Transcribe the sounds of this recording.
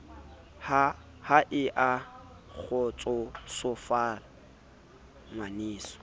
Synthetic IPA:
ha | haʔɪʔa | k͡xʰɔt͡sʼɔsʊfaːla | ŋwaniːsɔ̥

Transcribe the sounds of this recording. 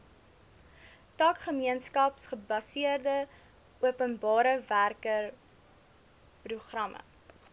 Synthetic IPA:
tɑːkχəmiənskɐpsχəbɐsiərdə | uəpənbɑːɾəværkər | pruχrɐmʔə̰

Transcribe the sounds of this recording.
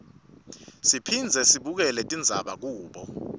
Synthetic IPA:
sipʰind͡zʱɛsiɓuk̬ɛlɛtʼind͡zʱaɓak̬uːɓɔ

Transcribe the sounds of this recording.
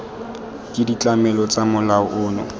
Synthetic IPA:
kʼɪdit͡ɬʼamɛlɔt͡sʼamʊlaʊʔʊːnɔ̰

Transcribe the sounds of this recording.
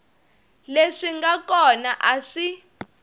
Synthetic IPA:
leʂiŋɡakɔnaʔaʂi

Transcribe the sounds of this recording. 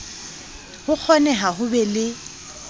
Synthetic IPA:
hʊk͡xʰɔnɛɦaɦʊbɛlɪ

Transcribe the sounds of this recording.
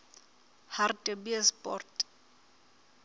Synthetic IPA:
hartʼɛbiɛspʼɔ̰rtʼ

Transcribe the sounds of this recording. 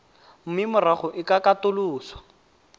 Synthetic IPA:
m̩mɪmʊraχʊʔɪkakatʊluːswḁ

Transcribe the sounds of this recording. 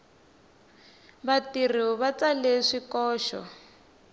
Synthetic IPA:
βatir̤iuβat͡saleʂikɔːʃɔ̰

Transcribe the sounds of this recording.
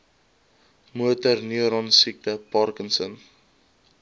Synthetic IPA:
muətərniəɾɔnsik̚təpɑrkənsən

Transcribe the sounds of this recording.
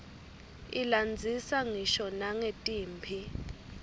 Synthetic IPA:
iland͡zʱisaŋiʃɔnaŋetʼiːmpʰi

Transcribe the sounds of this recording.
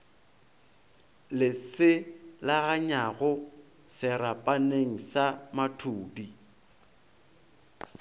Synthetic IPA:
lɪsɪlaɣaɲaɣʊ | sɪɾapʼaneŋ̩samatʰuːdi

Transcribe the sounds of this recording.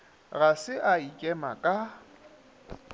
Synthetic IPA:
ɣasɪʔaikʼɛmakʼa

